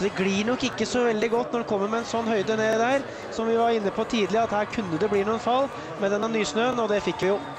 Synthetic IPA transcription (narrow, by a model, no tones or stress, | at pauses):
d̪ɛɡliːɳɔkːɪkːəsɔʋɛld̪ɪɡɔt̪ːnɔɖɛkʰɔmːəɾmɛɛnsɔnːhœʏd̪əneːd̪æːɾ | sɔmʋɪʋɑɾɪnːəpʰɔt̪ʰiːd̪lɪɑt̪hæːɾkʰʉnːəd̪ɛbliːɾnuːənfɑlː | mɛd̪ɛnːɑnyːsnøːənɔd̪ɛfɪkːʋɪjʊ